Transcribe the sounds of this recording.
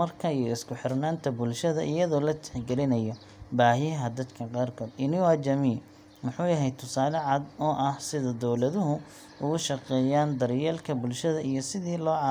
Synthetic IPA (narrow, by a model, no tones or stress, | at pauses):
mɐrkʰɐijɔɪskʰʊħɪrnaːnt̪ʰɐbʊlʃɐðɐ̰ʔɪjɐðɔːlɐt̪ʰɪ̥ħɡɛlɪnɐjɔ | baːɦɪɦɐd̪ɐd̪kʰɐqɑːrkʰɔːd̪ɪnɪwaːt͡ʃɐmiː | mʊħuːjɐɦɛjt̪ʰʊsaːlɛʕɑd̪ɔːʔɐhsɪðɐd̪ɔwlɐðʊɦʊ | ʊɣʊʃɐqɛːjaːnd̪ɐɾjɛːlkʰɐbʊlʃɐðɐijɞsɪðiːlɔːʕɑ